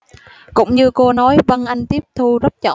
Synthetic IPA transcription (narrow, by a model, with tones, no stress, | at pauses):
kʊ̰˧˥wŋ͡mɲɨ˧ko˧nɔ˨˦jvə˧nʔa˧jŋ̟t̪i˦˥əp̚t̪ʰu˧zə˦˥t̚t͡ɕɔ̰˧˨